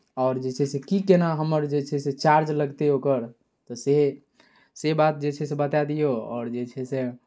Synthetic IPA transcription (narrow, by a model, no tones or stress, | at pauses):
ɔːɾd͡ʒet͡ʃʰesekikenaɦəməɾd͡ʒet͡ʃʰɛset͡ʃaɾd͡ʒləɡt̪eokəɾ | t̪ɔse | sebat̪̚d͡ʒet͡ʃʰɛsebət̪ad̪ijoɔ̰ːɾd͡ʒet͡ʃʰɛse